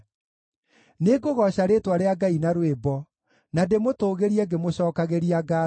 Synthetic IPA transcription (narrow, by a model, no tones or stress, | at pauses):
neɡoɣɔɕaɾetwaɾeaɡainaɾwebɔ | nademotoːɣeɾiɛɡemoɕɔːkaɣeɾiaɡa